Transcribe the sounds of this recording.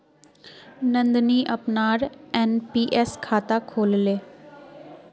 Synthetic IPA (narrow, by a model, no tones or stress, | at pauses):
nə̃nd̪niːʔəpnaːɾɛːnpiːʔɛːskʰaːt̪aːkʰoːlleː